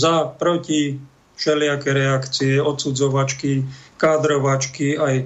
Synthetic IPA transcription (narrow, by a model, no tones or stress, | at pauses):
zapɾɔci | ʃɛlɪakɛɾɛakt͡siɛɔt̪sud͡zɔʋat͡ʃkikaːd̪ɾɔʋat͡ʃkiaj